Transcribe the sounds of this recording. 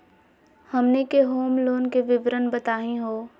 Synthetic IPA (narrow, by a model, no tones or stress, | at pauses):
hɐmnekeɦoːmloːnkeʋɪʋɾənbət̪aːɦĩɦoː